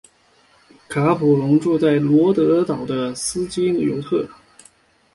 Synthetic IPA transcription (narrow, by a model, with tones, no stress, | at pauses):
kʰa˧˥pʰu˨˩lʊ˧˥ŋʈ͡ʂu˥˧t͡sa˥˩ɪlwɔ˧˥t̪ɤ˧˥t̪ɑ˨˩ʊd̪ə˦sɹ̩˥t͡ɕi˥ljo˧˥ʊt̪ʰɤ˥˩